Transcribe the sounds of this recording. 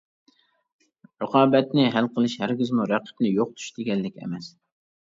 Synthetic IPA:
ɾɨqʰɑːbɛt̪nɪɦælqʰəlˠɨʃhæɾɡʲizmuɾæqʰə̥pnɪjoq̚t̪ʰu̥ʃd̪ɪɡʲɛlːɪkʲɛ̰mɛs

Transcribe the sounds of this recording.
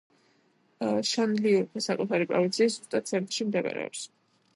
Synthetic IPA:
ʃanliuɾpʰɛsakʼut̪ʰaɾipʼɾɔ̰vint̪sʰiːszust̪ʼat̪sɛɾt̪ʼʃimd̪ɛɡa̰ɾɛ̰ɔ̰ps

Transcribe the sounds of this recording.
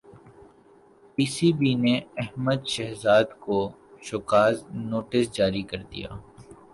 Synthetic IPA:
piːsibineɛɦməd̪ʃɛɦzaːd̪ko | ʃʊkaːznoːʈɪsd͡ʒaːɾikɐɾd̪ḭja̰ː

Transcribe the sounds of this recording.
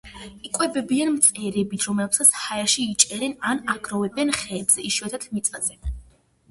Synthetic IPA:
ikʼwɛbɛbianmt̪sʼɛɾɛbit̪ʰɾɔmɛlpsat̪sʰhaɛʃiːt͡ʃʼɛɾɛnanaɡɾɔvɛbɛnχɛːbz̥ɛiʃwɛt̪ʰat̪ʰmit̪sʼazɛ

